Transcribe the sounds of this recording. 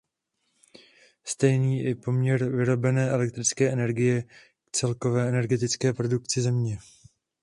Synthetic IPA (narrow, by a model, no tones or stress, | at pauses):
st̪ɛjniːʔɪpo̞mɲɛɾvɪɾo̞bɛnɛːʔɛlɛk̚t̪ɾɪt͡skɛːɛnɛɾɡɪjɛ | kt͡sɛlko̞vɛːɛnɛɾɡɛt̪ɪt͡skɛːpɾo̞duk̚t͡sɪzɛmɲɛ